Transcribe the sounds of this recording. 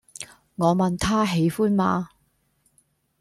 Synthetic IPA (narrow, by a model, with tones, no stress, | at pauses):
ŋɔː˨˧mɐ˨nt̪ʰaː˥ɦe˨˧jfuː˥nmaː˨˧